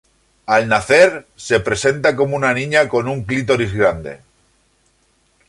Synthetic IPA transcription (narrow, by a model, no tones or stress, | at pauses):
alnaθe̞ɾse̞pɾe̞se̞nt̪ako̞mounanĩɲako̞nuŋklit̪̬o̞ɾizɣɾand̪e̞̰